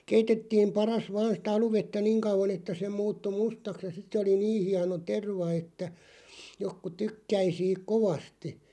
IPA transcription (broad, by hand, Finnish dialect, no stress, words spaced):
keitetːiːm pɑrɑs ʋɑːn̞ sĭtæ ɑluʋetːæ niŋ kɑuʋˑɑn etːæ se muːtːu mustɑks jɑ sit se oli niː hiɑno terʋɑ etːæ jokːu tykːæi siːk̆ koʋɑsti